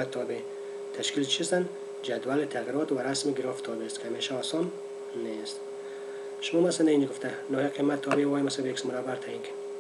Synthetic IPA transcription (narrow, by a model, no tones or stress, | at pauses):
at̪ʰːɔbe | t̪ʰaʃkilt͡ʃʰist̪an | d͡ʒad̪walɪt̪ʰaɣiɾɔt̪waɾasmɪɡɪɾɔfɪ̥t̪ʰɒbest̪kʰɪhameʃaɔsɔm | nest̪ | ʃʊmɔmasaneinɪɡʊft̪a | nɔhiqʰimat̪ʰːɔbewɒjmasabeksmʊɾabːaɾt̪ʰainkʰad̪